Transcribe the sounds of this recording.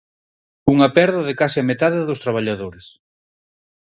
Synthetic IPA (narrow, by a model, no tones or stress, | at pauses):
uŋɐpɛɾðɐðɪkasɪamet̪aðɪðʊst̪ɾaβ̞aʎaðoɾes